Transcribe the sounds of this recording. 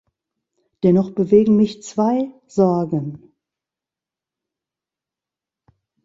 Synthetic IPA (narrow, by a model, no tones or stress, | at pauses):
d̥ɛnɔχb̥əveːɡŋ̩mɪçt͡sv̥aɪ | z̥ɔɐɡən